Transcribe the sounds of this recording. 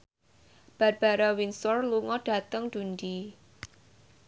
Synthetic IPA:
b̥a̤t̪̚b̥aɾawinsɔrluŋɔd̥a̤t̪əŋd̥undi

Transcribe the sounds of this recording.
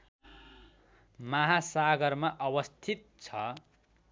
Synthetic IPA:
maɦasaɡʌrmaʔʌbʌst̪ʰit̪̚t͡sʰʌ

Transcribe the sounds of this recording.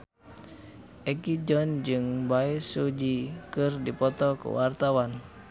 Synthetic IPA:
ʔɛkid͡ʒɔnd͡ʒɨŋbaisud͡ʒikɨrdipɔt̪ɔkṵwart̪awan

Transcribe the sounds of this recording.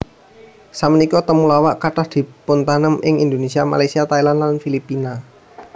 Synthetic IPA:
samənikɔt̪əmulawaʔkaʈahd̪̥i̤pʊnt̪anəmɪŋind̪onesiama̰lajsiat̪ailanlanfilipːina

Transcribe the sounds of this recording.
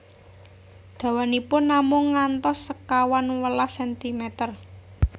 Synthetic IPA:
d̪̥ä̤wanipʊnːamʊŋːant̪ɔsːəkawanwəlasɛnt̪imet̪ər

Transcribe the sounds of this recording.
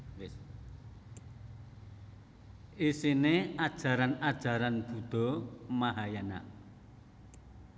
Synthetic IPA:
isinead̥ʒ̥a̤ɾanad̥ʒ̥a̤ɾanb̥ṳd̪̥ɔ̤maɦajana̰

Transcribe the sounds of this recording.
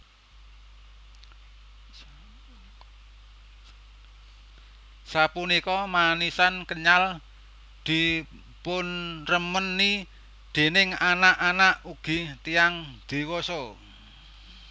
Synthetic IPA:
sapunikɔmanisankəɲal | d̪̥i̤ | pʊnrəmənːi | d̪̥e̤nɪŋanaʔanaʔuɡ̥i̤t̪ijaŋd̪̥i̤wɔsɔ

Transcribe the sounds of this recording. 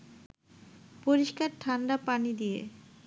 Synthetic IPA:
poɾiʃkaɾʈʰanɖapanid̪ijḛ

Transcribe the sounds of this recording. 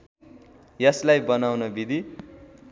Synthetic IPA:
jʌslajbʌnawnʌbid̪ʱi

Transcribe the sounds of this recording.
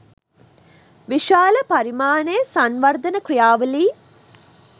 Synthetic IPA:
ʋiʃaːləpaɾimaːnejəsanʋɐɾd̪ɐnəkrijaːʋəliː

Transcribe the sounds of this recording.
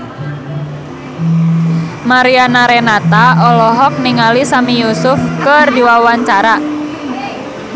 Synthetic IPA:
maɾianaɾenat̪aɔlɔɦɔk̚niŋalisamijusʊfkərdiwawaɲt͡ʃaɾa

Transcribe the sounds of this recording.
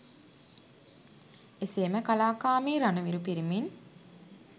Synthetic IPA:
eseːməkalaːkaːmiːɾanɐʋiɾupiɾimin

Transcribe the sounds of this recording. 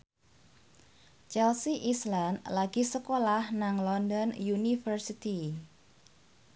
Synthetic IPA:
t͡ʃɛlsiʔislanlaɡisəkolahnaŋlɔndɔnjunifərsit̪i

